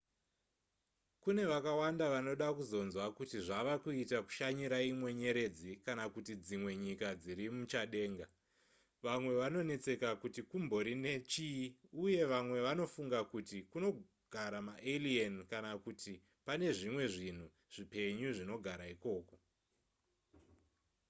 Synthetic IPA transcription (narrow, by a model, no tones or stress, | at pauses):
kune̞ʋakawandaʋano̞ɗakuzo̞nzwakutiʐaʋakuitaku̥ʃaɲiɾaimwe̞ɲe̞ɾe̞d͡zikanakutid͡zimwe̞ɲikad͡ziɾimut͡ʃaɗe̞ːŋɡa | ʋamwe̞ʋano̞ne̞t͡se̞kakutikumbo̞ɾine̞t͡ʃiuje̞ʋamwe̞ʋano̞fuŋɡakutikuno̞ | ɡ̥ʱaɾamaʔelienkanakutʰi | pane̞ʐimwe̞ʐin̤u | ʐ̥ipe̞ɲuʐino̞ɡʱaɾaiko̞ːko̞